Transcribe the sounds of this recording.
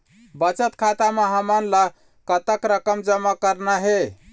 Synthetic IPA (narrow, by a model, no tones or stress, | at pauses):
bət͡ʃət̪kʰat̪ameɦəmənlə | kət̪əkɾəkəmd͡ʒəmːakəɾnaɦe